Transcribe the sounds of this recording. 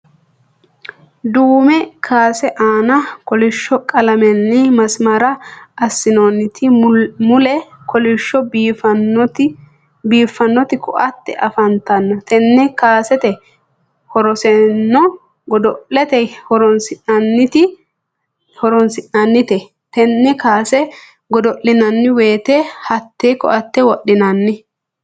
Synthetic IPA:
d̪uːmɛkʰaːsɛʔaːnɐkɔlɪʃːɔkʼɐlɐmɛnːɪmɐsmɐɾɐɐsːɪnonːɪt̪ɪmʊlɛ | kʰɔlɪʃːɔfɐt | biːfɐnːɔt̪ɪkʰɔ̰ʔɐt̪ːɛ̰ʔɐfɐnt̪ɐnːɐt̪ɛnːɛkaːsɛt̪ɛ | hɔɾɔsɛnːɔ | ɡɔd̪ɔʔɛt̪ɛhɔɾɔnsɪʔɐnːɪt̪ɪ | hɔɾɔnsɪʔɐnːɪt̪ɛ | t̪ɛnːɛkaːsɛ | ɡɔd̪ɔʔːɪnɐnːɪweːt̪ɛhɐt̪ːeːkɔ̰ʔɐt̪ːɛwɔʔːɪnɐnːɪ

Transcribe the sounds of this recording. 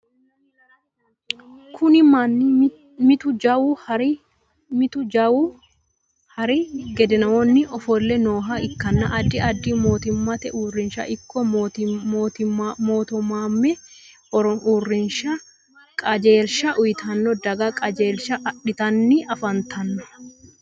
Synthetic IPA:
kʰʊnɪmɐnː | mɪt̪ʊd͡ʒɐwuɾ | mɪt̪ʊd͡ʒɐwu | hɐɾɪɡɛd̪ɛnɐwɔnːɪʔɔfɔlːɛnoːɦaɪkːɐnːɐʔɐd̪ːɪɐd̪ːɪmoːt̪ɪmːɐt̪ɛʔuːrːɪnʃɐ̰ʔɪkːɔ | tmoːt̪ʊmːaːmːɛ | ɔɾɔʔuːrːɪnʃɐ | kʼɐd͡ʒe̞ːlʃɐʔʊjɪt̪ʰɐnːɔd̪ɐɡɐkʼɐd͡ʒeːlʃɐʔɐᶑɪt̪ɐnːɪɐfɐnt̪ʰɐnːɔ̥

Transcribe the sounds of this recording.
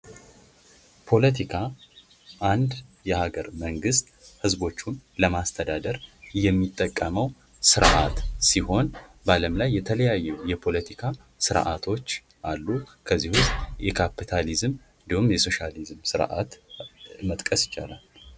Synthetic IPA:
pʰo̞lət̪ʰikʰa | ʔand̪jɛhaɡəɾməŋɡɨst̪hɨzbo̞t͡ʃːunləmast̪ʰəd̪ad̪əɾjɛmːit̪ʼːəkʼːəməw | sɨɾʔa̰t̪siho̞nbaləmlajːɛt̪ʰələjajːɛwjɛpʰo̞lət̪ʰikʰa | sɨɾʔa̰t̪ʰo̞t͡ʃː | ʔalːukʰəzːihʊst̪ʼjɛkʰapʰːit̪ʰalizm | ɨnd̪ihumjɛso̞ʃalizmsɨɾʔa̰t̪ | mət̪ʼkʼəsjɪt͡ʃʼa̰la̰l

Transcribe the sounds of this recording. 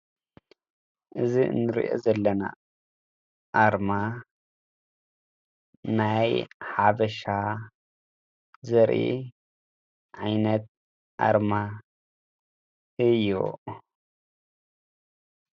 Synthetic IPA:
ʔɨziɨ̰nːɨɾḭʔo̰zɐlːɐna̰ | ʔaɾma | najħabɐʃa | zɐɾʔḭ | ʕajnɐt̪̚ | ʔa̰ɾma | ɨjːṵ

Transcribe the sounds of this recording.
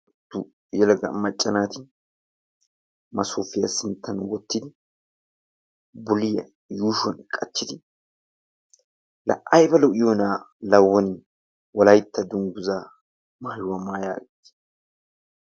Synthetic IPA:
d̪ʊ | jɛlɐɡɐ̰mːɐt͡ʃʼːɐnaːt̪ɪ | mɐsuːfɪjɐsɪnt̪ʰːɐnwɔt̪ːɪd̪ɪ | bʊlɪjɐ̰ | juːʃwɔnkʼɐt͡ʃːɪd̪ɪ | lɐ̰ʔɐjbɐlɔʔɪjoːnaː | lɐwːɔnɪ | wɔlɐjt̪ːɐd̪ʊŋɡʊzaː | maːjʊwɐmaːja̰ːɡɪt̪ː

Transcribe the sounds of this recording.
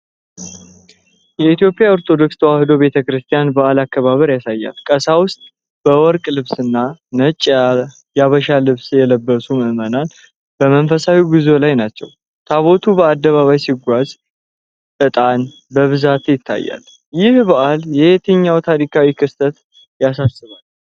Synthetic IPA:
jɛit̪jo̞pʼjao̞ɾt̪ʰo̞d̪o̞kst̪ʰəwahɨd̪o̞βe̞t̪ʰəkɨɾɨst̪ʰijanbəʔalakːəβaβəɾjasajːa̰lkʼəsawʊst̪ʼ | b̥əwɔɾkʼlɨβsɨnːanət͡ʃʼːa | jaβəʃalɨβsjɛləbːəsuməʔɨmənan | b̥əmənfəsawiɡizo̞lajnat͡ʃːɛ̰w | t̪ʰaβo̞t̪ʰubəad̪ːəβaβajsiɡʷaz | ʔɨt̪ʼan | bəβɨzat̪jɪt̪ʰːa̰jːa̰l | jɪhbəʔaljɛet̪ʰɨɲːawt̪ʰaɾikʰawikʰɨst̪ʰət̪ | jasasːɨβal

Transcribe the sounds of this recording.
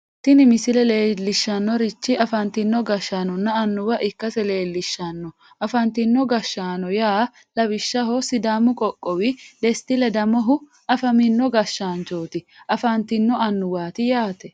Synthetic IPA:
t̪ɪnɪmɪsɪlɛle̞ːlːɪʃːɐnːɔɾɪt͡ʃːɪɐfɐnt̪ɪnːɔɡɐʃːaːnɔnːɐɐnːʊwɐʔɪkːɐsɛle̞ːlːɪʃːɐnːɔ | ʔɐfɐnt̪ɪnːɔɡɐʃːaːnɔjaː | lɐbɪʃːɐɦɔsɪd̪aːmʊkʼɔkʼːɔwɪd̪ɛst̪ɪlɛd̪ɐmɔɦʊ | ɐfɐmɪnːɔɡɐʃːaːnt͡ʃoːt̪ɪʔɐfɐnt̪ɪnːɔɐnːʊwaːt̪ɪjaːt̪ɛ

